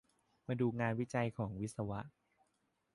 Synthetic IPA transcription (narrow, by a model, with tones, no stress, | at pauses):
maː˧duː˧ŋaː˧nwi˦˥t͡ɕa˧jkʰɔː˩˦ŋwi˦˥t̪̚sa˧wa˦˥ʔ